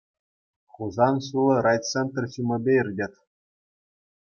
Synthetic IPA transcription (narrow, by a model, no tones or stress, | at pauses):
χuzɑnɕulˠɤ̆ɾɑjt͡sent̪rʲɕumʲɘ̆bʲeirʲdʲet̪ʲ